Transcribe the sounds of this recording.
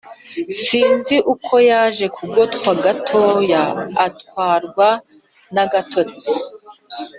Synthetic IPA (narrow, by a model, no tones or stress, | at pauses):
siːnziʔukʰo̞jaːʒe̞kʰuɡo̞tkwaɡatʰo̞ːjaːtkwaːɾɡwa | naɡatʰo̞t͡si